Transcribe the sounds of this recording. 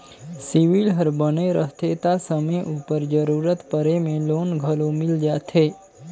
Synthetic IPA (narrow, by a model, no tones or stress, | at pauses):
siʋilɦəɾbəneɾəɦt̪ʰet̪asəməjʔupəɾd͡ʒəɾuɾət̪pəɾemẽlonɡʱəlomild͡ʒatʰe